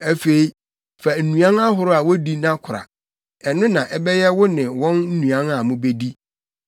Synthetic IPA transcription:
æ˨fe˨i˦ | fa˨n̩˨nũ˨ã˦na˦ɦʊ˦ɾʊ˦a˨wɔ˦di˦nã˦kʰʊ˨ɾa̰˨ | ɛ˨nʊ̃˦nã˨ʔɛ˦bɛ˦jɛ˦wʊ˦nɪ̃˨wɔ̃˦nn̩˦nũ˨ã˦na˨mʊ̃˦be˦di˦

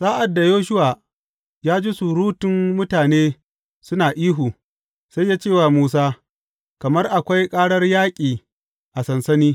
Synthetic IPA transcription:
saː˦ʔa˨dːa˨joː˦ʃ̬ʊ˦waː˨ | jaː˦d͡ʒi˦su˨ɽuː˦tɪ˨mːʊ˦taː˨neː˦ | sʊ˦naː˨ʔiː˦ɦuː˨ | sa˦jːaː˦t͡ʃeː˦˨waː˨muː˦s̬aː˦ | kɐ˨mɐ˦rʔa˨kʷa˦jkʼaː˦ɽɐ˦rjaː˦kʲʼiː˨ | ʔa˨sɐ˨nsɐ˦niː˦

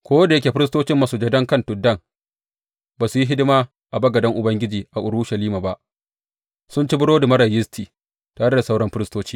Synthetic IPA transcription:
kʷoː˦da˨jɐ˦kʲeː˨ɸɪ˦ɾɪ˦s̬toː˦t͡ʃɪ˦mːa˦suː˨d͡ʒɛ˦dɐ˦ŋkɐ˦ntʊ˨dːɐ˦ŋ | baː˨su˨ji˦ɦɪ˦dɪ˦maː˦ | ʔa˨bɐ˦ɡɐ˨dɐ˦ŋʔʊ˨bɐ˦ŋɡʲɪ˦d͡ʒiː˨ʔa˨ʔʊ˨ɽu˦ʃɐ˨liː˦ma˨ba˦ʔ | sʊ˦nt͡ʃi˦bʊ˦ɽoː˦da˨mɐ˦ɽa˨jɪ˦stʰiː˨ | taː˨ɽe˦da˨sa˦wɽɐ˦mɸɪ˦ɾɪ˦stoː˦t͡ʃiː˦

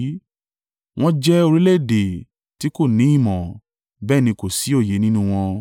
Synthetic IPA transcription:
w̃ɔ̃˦d͡ʒɛ˦o˧ɾi˦le˦˨de˨ | ti˨˦ko˦˨nĩ˨˦ĩ˦˨mɔ̃˨ | bɛː˦˨nĩ˧ko˨si˨˦o˦˨je˨˦nĩ˦nũ˦w̃ɔ̃˧

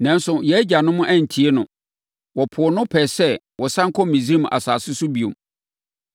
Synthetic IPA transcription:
nã˨n˦sʊ˨jɛ˦d͡ʑa˨nʊ̃˦mʊ̃˦ʔæ˦˨n̩˨tʰi˨e˦nʊ̃˨ | wɔ˨pʰʊ˨ɔ˨nʊ̃˦pʰɛ˨sɛ˦ | wɔ˨sã˦ŋ̩˦kʰɔ˦mĩ˨zi˦ɾi˦m˨ʔa̰˨saː˨sɪ˦sʊ˦bi˨o̰˨m

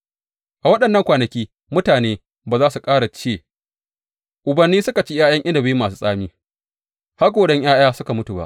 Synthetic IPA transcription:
ʔa˨wɐ˦ɗɐ˨nːɐ˦ŋkʷaː˨nɐ˨kʲiː˦ | mʊ˦taː˨neː˦ | baː˨zaː˦su˨kʼaː˦ɽa˨t͡ʃeː˦˨ | ʔʊ˨bɐ˨nːiː˦sʊ˦ka˨t͡ʃi˦jaː˦jɐ˦ŋʔɪ˦nda˨ba˦ji˦mːaː˨s̬uː˦sʼaː˦miː˦ | ha˦ɡʷoː˨ɽɐ˦ɲj̰aː˦j̰aː˦sʊ˦ka˨mʊ˦tu˨ba̰˦ʔ

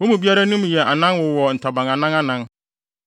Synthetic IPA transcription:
wo˦mũ˨bi˦a˦ɾa˦nũ˦m˨jɛ˨ʔa˨nã˦nwʊ˨wɔ˨n̩˨tʰa˨bã˨ŋã˨nã˦ŋa˦nã˦n

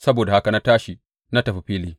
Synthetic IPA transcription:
sɐ˦boː˨da˨ha˦ka˨na˦taː˦ʃi˨ | na˦tɐ˨ɸi˨ɸiː˦liː˦

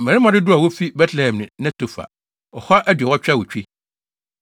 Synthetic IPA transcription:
m̩˨mɛ̃˨ɾɪ˦mã˨dɪ˦dʊ˦a˨wɔ˦fi˦bɛ˦tʰlɛ˨hɛ̃˨mnɪ̃˨nã˦tʰo˨fa̰˨ | ɔ˨hɔ˦ʔæ˦dɥɛ˨wɔ˦t͡ɕᶣɛ˦wo˨t͡ɕᶣi˦

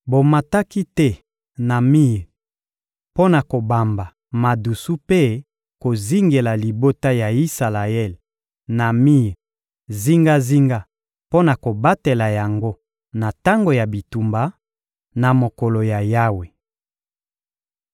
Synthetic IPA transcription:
bo˨ma˨ta˦ki˦tɛ˦ | na˨mi˦e˨ | po˦na˨ko˨ba˨mba˨ | ma˨du˨su˦pe˦ | ko˨zi˦ŋɡe˨la˨li˨bo˦ta˦ja˨i˦sa˨la˨ɛ˦˨l | na˨mi˦˨ | zi˦ŋɡa˦zi˦ŋɡa˦ | po˦na˨ko˨ba˦te˨la˨ja˨ŋɡo˦ | na˨ta˦ŋɡo˨ja˨bi˨tu˨mba˨ | na˨mo˨ko˨lo˨ja˨ja˦we˨

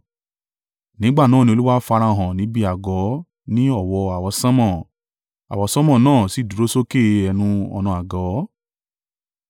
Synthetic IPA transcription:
nĩ˨˦ɡ͡ba˦˨nãː˦˨nĩ˧o˧lu˦wa˦fa˧ɾa˧˨ɦã˨nĩ˨˦bi˦a˨ɡɔ˨˦ | nĩ˦ɔ˦˨wɔ˧a˨wɔ˧sã˦mɔ̃˦˨ | a̰˨wɔ˨˧sɔ̃˦mɔ̃˦˨nãː˦˨si˨˦˨du˨ɾo˦so˦ke˦˨ɛ˧nũ˧ɔ̰˧nɔ̃˧a˨ɡɔ˨˦

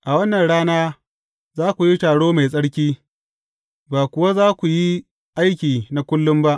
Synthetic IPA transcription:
ʔa˨wɐ˦nːɐ˨nɽaː˦naː˦ | zaː˦kʷu˨ji˦taː˨ɽoː˦ma˨jsʼɐ˦ɽkʲiː˦ | baː˨kʷʊ˨wa˦zaː˦kʷu˨ji˦ | ʔa˦jkʲiː˨na˨˦kʷʊ˦lːʊ˦mba˦ʔ

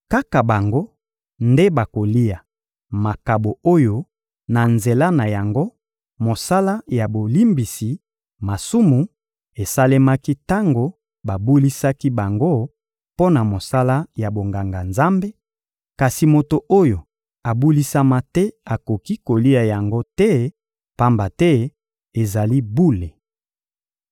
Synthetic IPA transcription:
ka˦ka˨ba˨ŋɡo˦ | nde˦ba˨ko˨li˦a˨ | ma˨ka˨bo˨o˦jo˦ | na˨nze˨la˦na˨ja˨ŋɡo˦ | mo˨sa˦la˦ja˨bo˨li˦mbi˨si˨ | ma˨su˦mu˨ | e˨sa˦le˦ma˦ki˦ta˦ŋɡo˨ | ba˨bu˦li˦sa˦ki˦ba˨ŋɡo˦ | po˦na˨mo˨sa˦la˦ja˨bo˨ŋɡa˨ŋɡa˨nza˦mbe˦ | ka˨si˨mo˨to˨ʔo˦jo˨ | a˨bu˦li˦sa˦ma˦tɛ˦a˨ko˨ki˦ko˨li˦a˨ja˨ŋɡo˦tɛ˦ | pa˦mba˨tɛ˦ | e˨za˨li˦bu˦le˨

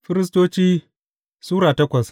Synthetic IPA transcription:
ɸɪ˦ɾɪ˦s̬toː˦t͡ʃiː˦ | suː˦ɾaː˨tɐ˦kʷɐ˨s

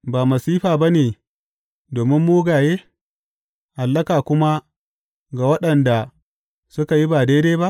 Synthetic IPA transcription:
baː˨mɐ˨siː˦ɸaː˨ba˦neː˨ | doː˨mɪ˦mːuː˦ɡaː˨jeː˦ | ha˨lːɐ˦kaː˨kʷʊ˦ma˦ | ɡa˨wɐ˦ɗɐ˨nda˨ | sʊ˦ka˨ji˦ba˨deː˦deː˦ba˦ʔ

